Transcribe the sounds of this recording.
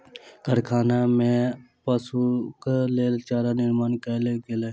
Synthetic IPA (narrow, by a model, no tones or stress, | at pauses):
kəɾkʰaːnamẽ | pəsukleːlt͡ʃaːɾanɪɾmaːnkəlekele